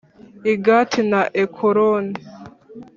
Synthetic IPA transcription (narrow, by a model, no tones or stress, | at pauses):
iɡatʰinaʔekʰoɾoni